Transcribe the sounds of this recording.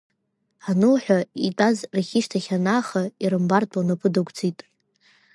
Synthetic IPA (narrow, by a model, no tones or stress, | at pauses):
anɨlħʷᶣaitʼazraχʲiʃtʰaχʲanaːχaiɾɨmbartʰʼanapʰʼɨdakʷʰʼt͡sʰʼitʼ